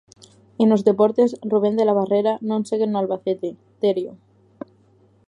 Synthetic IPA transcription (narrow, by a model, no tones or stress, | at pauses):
eno̞zðe̞poɾt̪esruβ̞e̞nd̪elaβ̞areɾanõnseɣenːoalβaθet̪e | t̪eɾjo